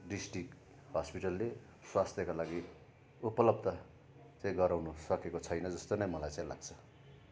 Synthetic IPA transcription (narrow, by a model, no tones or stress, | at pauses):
ɖisʈrik | ɦʌspiʈʌlːe | swast̪ʰjʌkalaɡi | upʌlʌbd̪ʌ | t͡sãĩɡʌɾawnusʌkekot͡sʰʌjnʌd͡zʌst̪onʌjmʌlajt͡sãĩla̰ɡt͡sʰʌ̥